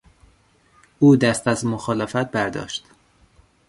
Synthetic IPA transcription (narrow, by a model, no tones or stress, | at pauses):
uːd̪æst̪æzmoxɒːlefæt̪̚bæɾd̪ɒ̰ːʃt̪